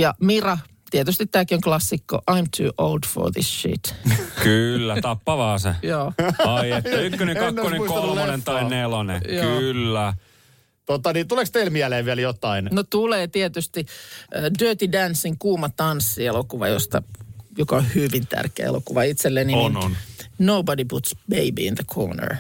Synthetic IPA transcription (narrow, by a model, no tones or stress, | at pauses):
jɑmirɑ | t̪iet̪yst̪it̪t̪æːkioŋklɑsːikːo̰ʔɑimt̪ʰṵːʔo̰ʊld̥fo̰ðḭsʃḭt̪kylːæt̪ɑpːɑʋɑːsḛjoːɑieːæykːøneŋkɑnkːoneŋmuiskoonent̪ɑinːelonḛjkːylːæ | t̪ot̪ɑnit̪ulekst̪eilmiæleːʋʋiæljot̪ːɑinnot̪uleːt̪iet̪yst̪i | døːt̪idænsːiŋkuːmɑt̪ɑnsːielokuʋɑ̰jo̰st̪ɑjokɑohyʋint̪æ̰rkeæ̰ḛlo̰kuʋɑit̪selːeninnnoubɑdiput̪sb̥eibḭḭ̃nðəkʰo̰ːnə̰ɹ